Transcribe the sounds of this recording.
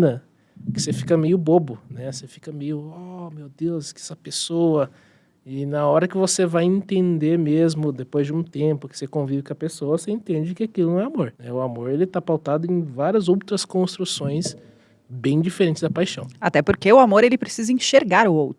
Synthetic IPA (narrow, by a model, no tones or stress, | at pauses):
nɐ | kɪ̥sefi̥kɐmejʊbobʊnɛsefi̥kɐmejʊɔmewd̪ewskɪɛsɐpesoɐ | ɪnɐɔɾɐkɪvosevajẽt̪ẽnd̪eɾmezmʊd̪epojzd͡ʒɪũt̪ẽmpʊkɪ̥sekõvivɪkõɐpesowɐseẽnt̪ẽnd͡ʒɪkɪakilʊnɐ̃w̃ɛamoɾnɛʊamoɾelɪt̪apawt̪ad̪ʊẽj̃vaɾiɐzowt̪ɾɐskõst̪ɾusõj̃s | bẽj̃d͡ʒifeɾẽnt͡ʃɪzd̪ɐpajʃɐ̃w̃at̪ɛpoɾkeʊamoɾelɪpɾesizɐĩʃeɾɡaɾʊowt̪ɾʊ